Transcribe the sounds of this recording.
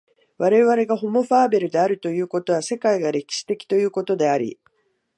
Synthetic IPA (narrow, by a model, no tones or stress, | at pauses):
βaɾe̞βaɾe̞ɡaɦo̞mo̞ɸaːbe̞ɾɯ̟d̪e̞aɾɯ̟t̪o̞jɯ̟ːko̞t̪o̞β̞ase̞kaiɡaɾe̞kʲi̥ɕi̥t̪e̞kʲi̥t̪o̞jɯ̟ːko̞t̪o̞d̪e̞aɾʲḭ